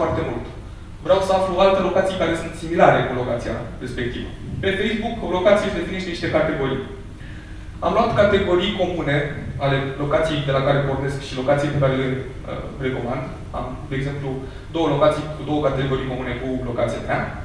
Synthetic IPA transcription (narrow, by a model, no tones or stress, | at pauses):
oart̪e̞mult̪ | vɾeawsəafluoalt̪e̞lo̞kat̪sijkaɾe̞sunt̪similaɾe̞kulo̞kat̪sija̰ɾe̞spe̞k̚t̪ivə̰pe̞fe̞jzbukolo̞kat̪sijefeiniʃt̪eniʃt̪ekat̪e̞ɡo̞ɾḭj | amloat̪kat̪e̞ɡo̞ɾijko̞mune̞ale̞lo̞kat̪sijejd̪e̞lakaɾeporne̞skʃilo̞kat̪sijepekaɾelɨn | ə̰reko̞mand̪ | a̰m | d̪e̞eːɡze̞mplu | d̪o̞wəlo̞kat̪sijkud̪o̞wəkat̪e̞ɡo̞ɾijko̞mune̞kulo̞kat̪sijamea